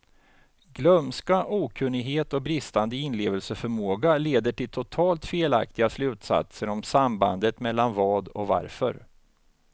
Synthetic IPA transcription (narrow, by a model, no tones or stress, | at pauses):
ɡlœmskaʔuːkʰɵnːɪɡɦeːt̪ɔk̚bɾɪst̪and̪əɪnleːvəlsəfœɾmoːɡaleːd̪əʈɪlt̪ʰʊt̪ʰɑːlt̪feːla̰k̚t̪ɪɡaslʉ̟ːt̪sa̰t̪səɾɔmsamba̰nd̪ət̪mɛlːanvɑːd̪ɔ̰kva̰ɾfœ̰ɾ